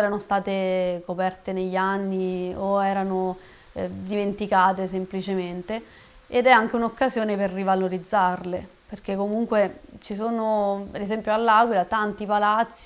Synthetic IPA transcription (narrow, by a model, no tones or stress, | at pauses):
ɛɾanost̪aːt̪ekopɛrt̪eneʎːanːioɛːɾano | d̪iment̪ikaːt̪es̬emplit͡ʃement̪e | ed̪ɛaŋk̟eunokːazjoːneperːivaloɾid̪zːarle | perk̟ekːomuŋkwet͡ʃis̬oːnopeɾezɛmpjoalːaɡwilat̪ant̪ipalat̪sːi